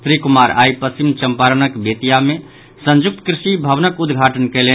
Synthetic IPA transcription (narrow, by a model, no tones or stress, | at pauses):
t̪ɾikumaːɾa̰jpəst͡ʃimt͡ʃəmpaɾənəkbet̪ijamẽ | sə̃nd͡ʒʊk̚t̪ə̥kɾɪʃibʱəʋnəkud̪ɡʱaʈənkɛle